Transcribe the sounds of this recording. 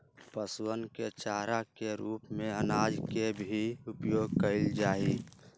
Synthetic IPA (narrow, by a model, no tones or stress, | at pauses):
pəswənket͡ʃaːɾakeɾuːpmẽənaːd͡ʒkebʱiʊpjoːɡkəɪld͡ʒaːi